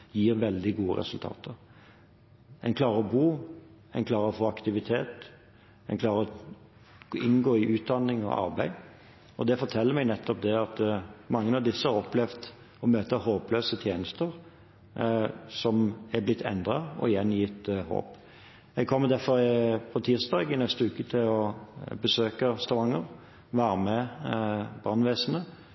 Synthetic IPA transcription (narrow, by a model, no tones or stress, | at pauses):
jiːɾʋɛld̪ɪɡuːə̰ɾɛ̰sʉlt̪ʰɑ̰ːt̪ʰəɾ | ɛnkʰlɑːɾəɔbuː | ɛnkʰlɑːɾəɔfoːɑkt̪ɪʋɪt̪ʰeːt̪ | ɛ̰ɪnkʰlɑːɾəɔ | ɪnɡoːɪʔʉːt̪̚d̪ɑnːɪŋɔ̰ʔɑ̰ɾbæɪ | ɔd̪ɛfɔt̪ʰɛlːəɾmɛɡnɛt̪ʰːɔp̚d̪ɛɑt̪mɑŋːənɑʋd̪ɪsːəhɑɾɔplɛʋd̪ | ɔmøːt̪əhoːpløːsət̪ʰjeːnəst̪əʁ | sɔmɛblɪt̪ʰːɛ̰nd̪ɾɑɔ̰ɪjɛnːjɪt̪ho̰ːp | ɛɡ̚kʰɔmːəd̪æfɔɾɪpʰɔt̪ʰiːst̪ɑːɡɪnɛst̪əʉːkət̪ʰɪlɔbəsøːkəst̪ɑʋɑŋːəɾ | ʋæːɾəmɛ | bɑnʋeːsənə